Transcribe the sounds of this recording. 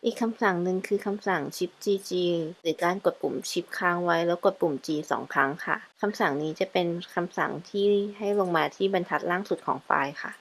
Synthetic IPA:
ʔiː˨˩kʰːa˧msa˨˩˦ŋnɯ˧ŋkʰɯː˧kʰa˧msa˨˩˦ŋt͡ɕʰi˦˥p̚t͡ɕiː˧t͡ɕiː˧ɾɯː˩˦kaː˧nko˨˩t̪̚pu˨˩˦mt͡ɕʰi˦˥p̚kʰaː˦˥ŋwa˦˥jlɛː˦˥wko˨˩t̪̚pu˨˩˦mt͡ɕiː˧sɔ̰ː˩˦ŋkʰɾa˦˥ŋkʰa̰˥˩kʰa˧msa˨˩˦ŋniː˦˥t͡ɕa˨˩pe˧nkʰa˧msa̰˨˩˦ŋt̪ʰiː˥˩ha˥˩jlo˧ŋmaː˧t̪ʰiː˥˩ba˧nt̪ʰa˦˥t̪̚laː˥˩ŋsu˨˩t̪̚kʰɔ̰ː˩˦ŋfa̰ː˧jxʰa̰˥˩ʔ

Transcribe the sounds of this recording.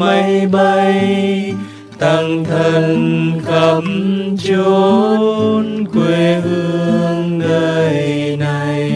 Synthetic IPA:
ma˧˦jɓa˧j | t̪a˧˩ŋt̪ʰə˧nkə˧˩mt͡ɕu˧ | nkwe˧hɨ˧əəəŋɗəː˧˩j | na˨˩j

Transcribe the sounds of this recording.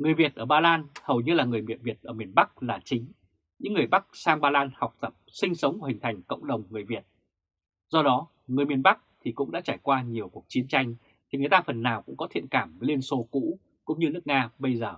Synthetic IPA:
ŋɨ˨˩əjvi˨˩ət̚ʔəː˧˩ɓaː˧laː˧nhə˨˩wɲɨ˧laː˨˩ŋɨ˨˩əjmḭ˨ənvi˨˩ət̚ʔəː˧˩mi˨˩ənɓa˦˥k̚laː˨˩t͡ɕï˨˦ŋ̟ | ɲɨ̰˧˥ŋːɨ˨˩əjɓa˦˥k̚saː˧ŋɓaː˧laː˧nha˨˩wk͡p̚t̪ə˨˩p̚sï˧ŋ̟sə˨˦wŋ͡mhï̟˨˩t̪ʰjŋ̟kə̰˧˨wŋ͡mɗə˨˩wŋ͡mŋɨ˨˩əjvi˨˩ət̚ | z̥ɔ˧ɗɔ˨˦ | ŋɨ˨˩əjmi˨˩ənɓa˦˥k̚t̪ʰi˨˩kʊ̰˧˥ŋ͡mɗa̰ː˧˥t͡ɕaː˧˩jkwaː˧ɲi˨˩əwku˨˩ək̚t͡ɕi˨˦ənt͡ɕa˧jŋ̟ | t̪ʰi˨˩ŋɨ˨˩əjt̪aː˧fə˨˩nːaː˨˩wkʊ̰˧˥ŋ͡mkɔ˨˦t̪ʰḭ˧˨ənkaː˧˩mvəː˨˦jli˧ənso˨˦kṵ˧˥ | kʊ̰˧˥ŋ͡mɲɨ˧nɨ˦˥ək̚ŋaː˧ɓə˧jzəː˨˩

